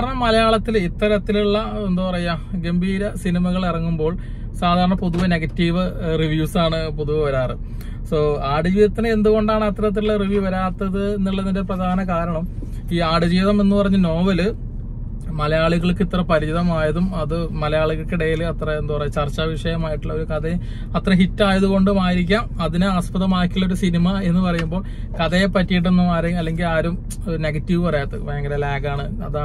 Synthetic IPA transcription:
aːɾɐɳːɐmɐlɐjaːɭɐt̪ːilit̪ːɐɾɐt̪ːiluɭːɐend̪upɐrɐjɐɡe̞mbʱiːɾɐsinimɐɣɐɭirɐŋːumbo̞ːɭ | saːd̪ʱaːɾɐɳɐpoðuʋɐne̞ɡɐtːiːʋɨriʋjuːsaːɳɨpoðuʋɐʋɐɾaːrɨ | soːaːɽud͡ʑiːðɐt̪ːine̞nd̪uɣo̞ɳɖaːɳɨɐt̪ɾɐt̪̬ːiluɭːɐriʋiʋɐɾaːt̪ːɐðɨenːiɭːɐðindeprɐd̪ʱaːnɐkaːɾɐɳɐm | iːaːɽɨd͡ʑiːðɐme̞nːupɐrɐɲːuno̞ːʋɐlɨ | mɐlɐjaːɭiɣɐɭkːit̪rɐpɐɾiiðɐmaːjɐðumɐðɨmɐlɐjaːɭiɣɐɭkiɽejilɐt̪rɐend̪upɐrɐɲt͡ɕɐrt͡ɕːaːʋiʂɐjɐmaːjiʈːuɭːɐo̞ɾukɐðɐj | ɐt̪rɐɦitːaːjɐðuko̞ɳɖɨmaːjiɾikʲːaːmɐðinɨaːspɐðɐmaːkʲːilːoɾusinimɐe̞nːɨpɐrɐjumbo̞ːɭ | kɐðɐjepɐtːijiʈ̬ːenːumaːɾɐɐlːe̞ŋɡilaːɾum | oɾune̞ɡɐtːiʋɨpɐrɐjaːt̪ːɐʋeːŋɡɐlelaːɡaːɳɨ | ɐ̰ðaː

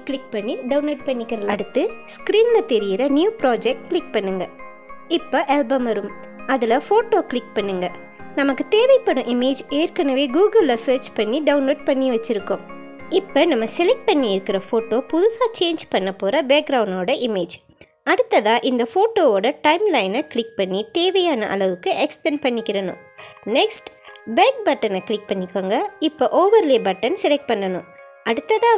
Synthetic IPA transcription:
kɭɪk̚pɐɳːiɖɐʊnloːʈ̚pɐɳːɪkːɪɾɐlaɽɯt̪ːɯskɾiːnlɐt̪ɛɾɪjɪɾɐnjuːpɾaːd͡ʒɛk̚ʈkɭɪk̚pɐɳːɯŋɡɐ | ɪpːoʔɐlbɐmɐɾɯm | ɐðɪlɐfoːʈoːkɭɪk̚pɐɳːɯŋɡɐ | nɐmɐkːɯt̪eːʋɐɪpːɐɽʊ̃ʔɪmeːd͡ʒeːɾkɐnɐʋeːɡuːɡɐlːɐsɐːɾt͡ʃpɐɳːiɖɐʊnloːʈ̚pɐɳːiʋɐt͡ʃːɪɾɯkːʊ̃m | ɪpːɐːnɐmːɐsɛlɛk̚ʈ̚pɐɳːiɪɾɯkːɪɾɐfoːʈoːpʊðɯsaːt͡ʃeːɲd͡ʒpɐɳːɐpːoːɾɐbeːk̚ɡɾɐʊɳɖoːɽɐʔɪmeːd͡ʒ | ɐɽɯt̪ːɐðãːʔɪnd̪ɐfoːʈoːoːɽɐʈɐɪmlɐɪnɐkɪɭɪk̚pɐɳːit̪eːʋɐjaːnɐ̰ʔɐ̰ɭɐʋɯkːɯʔɛksʈɛnpɐɳːɪkːɪɾɐnʊ̰̃ | nɛksʈbeːk̚bɐʈːɐnɐkɭɪk̚pɐɳːɪkːaːŋɡɐɪpːoːʔoːʋɐɾleːbɐʈːɐnsɛlɛk̚ʈ̚pɐɳːɐnʊ̃ | ʔɐɽɯt̪ːɐðãː

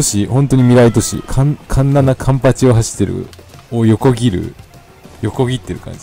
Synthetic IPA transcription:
t̪oɕihõ̞nt̪o̞ɲ̟imʲiɾait̪o̞ɕḭkʰankʰãnːanakʰãmpat͡ɕio̞ɦaɕi̥t̪ːe̞ɾɯ̰ojo̞ko̞ɡʲiɾɯ̟̰ | jo̞ko̞ɡʲit̪ːe̞ɾɯ̟kã̰ɲ̟d͡ʑi

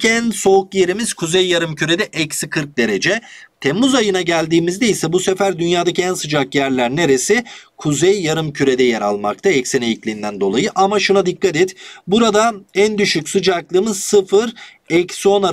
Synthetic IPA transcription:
ænso̞ukje̞ɾimiz̥kʰuzejːaɾɯmcʰyɾe̞d̪ɛʔɛcsikʰɯɾk̚d̪e̞ɾed͡ʒɛt̪ʰemːuzajɯnaɟælʲd̪iːmizd̪eisɛbuse̞fæɾd̪ynjaːd̪acʰiænsɯd͡ʒakjæɾlʲæɾne̞ɾe̞sɪkʰuzejːaɾɯmcʰyɾe̞d̪ɛjeɾa̰lˠma̰k̚t̪ʰaɛcsinejiclʲind̪ænd̪o̞̰lˠajɯʔamaʃunad̪ikːat̪ɛt̪buɾad̪aænd̪yʃycsɯd͡ʒaklˠɯːmɯzsɯfɯɾ | ɛcso̞naɾ

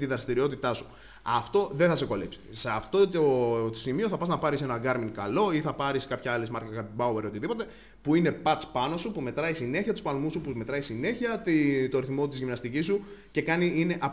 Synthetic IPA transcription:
t̪iðɾɐst̪iɾio̞t̪it̪ɐsu̥ | ɐ̰ft̪o̞ðeθɐseko̞lepsi̥seɐft̪ot̪ot̪osimio̞θɐpɐznɐpɐɾise̞nɐɡɐɾmiŋkɐ̰lo̞iθɐpɐɾiskɐpçɐɐlezmɐɾkɐɐpbɐueɾio̞t̪iðipo̞t̪e̞ | puine̞pɐt̪t͡spɐno̞supume̞t̪ɾɐisine̞çiɐt̪uspɐlmusupume̞t̪ɾɐisine̞çiɐt̪it̪o̞ɾiθmo̞t̪izʝimnɐst̪icisu | ce̞kɐniine̞ʔɐ

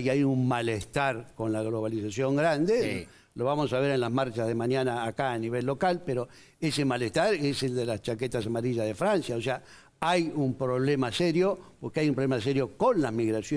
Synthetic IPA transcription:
ajummalest̪aɾko̞nlaɣloβ̞alisasjo̞ŋɡɾand̪e | lo̞βamosaβ̞eɾenlaɦmaɾt͡ʃaðemanjanaːkaːniβelːo̞kalpeɾo | esemaleht̪aɾeseld̪elast͡ʃaket̪asamaɾiʒaðefɾansjaos̬ea | ajumpɾo̞βlemaseɾjopoɾkeajumpɾolemas̬eɾjo̞ko̞nlazmiɣɾasjo

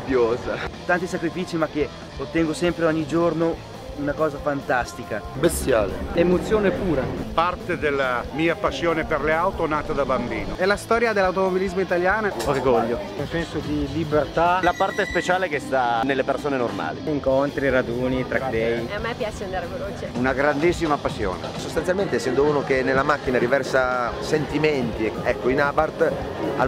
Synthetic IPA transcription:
pjoːzat̪ant̪isakɾifiːt͡ʃimak̟ːe | ot̪ːɛŋɡosɛmpɾeɔɲːid͡ʒorno | unakɔːzafant̪ast̪ikabest̪jaːlḛemot̪sːjoːnepuːɾapart̪ed̪elːamiːapasːjoːneperleawt̪onaːt̪ad̪abambiːnoɛlast̪ɔːɾjad̪elːawt̪omobilizmoit̪aljaːnaorɡɔʎːounsɛnsod̪ilibert̪alapart̪espet͡ʃaːlekest̪anelːepersoːnenorma̰ːlḭiŋkont̪ɾiɾad̪uːnit̪ɾad̪ɛjamːɛpːjat͡ʃeand̪aːɾeveloːt͡ʃeunaɡɾand̪isːimapasːjo̰ːnḛsost̪ansjalment̪eɛsːɛnd̪ouːnokenːelːamak̟ːinaɾivɛrsasent̪iment̪iɛkːoinaːbart̪ | a

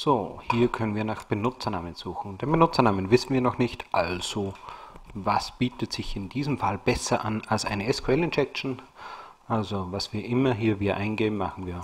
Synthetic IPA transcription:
z̥oːhiːɐkʰœnənviːɐnaːχb̥ənʊt͡sɐnaːmənz̥uːxŋ̩d̥eːnmbənʊt͡sɐnaːmənvɪsn̩viːɐnɔχnɪçtʔalz̥o | vasb̥iːtətz̥ɪçɪndiːzəmfalb̥ɛsɐʔanalsʔa̰ɪnəɛskʰuɛlɪnɛk̚ʃn̩ | ʔalzovasv̥iːɐʔɪmɐɦiːɐviːɾɐʔaɪnɡeːbm̩maχn̩viːɐ

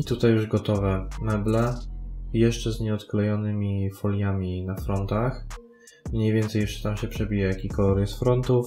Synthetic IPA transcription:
it̪ut̪ajːuʐɡɔt̪ɔvɛmɛblɛ | jɛʂt͡ʂɛzɲɛɔt̪klɛjɔnɘmʲifɔlʲjamʲinafɾɔnt̪ax | mɲejvʲjɛnt̪sɛjɛʂt͡ʂɛ̥t̪amɕɛpʂɛbʲijɛjakʲikɔɔɾɛsfɾɔnt̪uf

